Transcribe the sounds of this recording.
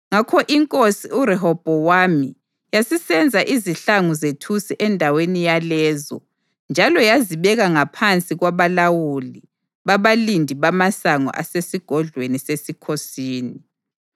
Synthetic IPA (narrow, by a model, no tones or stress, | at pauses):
ŋakʰɔʔiŋkʼosiuɾɛɦɔb̥ʱɔwami | jasisɛnd͡zʱaʔiziɬaŋuzetʰusiʔɛndʱawenijalɛːzɔ̰ | nd͡ʒʱalɔjaziβɛɣaŋapʰant͡sʼiɣwaβalawuli | βaβalindʱiβamasaŋɔ̰ʔa̰sesiɡ̥ʱɔɮʱwenisesikʰosiːni